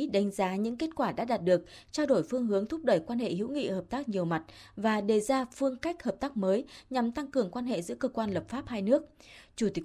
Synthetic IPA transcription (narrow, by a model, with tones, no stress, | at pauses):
ɗa˨˦ŋ̟zaː˨˦ɲɨ̰˧˥ŋke˦˥t̚kwaː˧˩ɗa̰ː˧˥ɗaː˨˩t̚ɗɨ˨˩ək̚t͡ɕaː˧wɗo˧˩jfɨ˧əŋɦɨ˨˦əŋt̪ʰʊ˦˥p̚ɗə˧˩jkwaː˧nhḛ˧˨hḭ˧˥wŋḭ˧˨həː˨˩p̚t̪aː˦˥k̚ɲi˨˩əwma˨˩t̚vaː˨˩ɗe˨˩zaː˧fɨ˧əŋka˦˥jk̟̚həː˨˩p̚t̪aː˦˥k̚məː˨˦jɲa˨˩mt̪a˧ŋkɨ˨˩əŋkwaː˧nɦḛ˧˨zɨ̰˧˥əkəː˧kwaː˧nləː˨˩p̚faː˦˥p̚haː˧jnɨ˦˥ək̚t͡ɕu˧˩t̪ï˨˦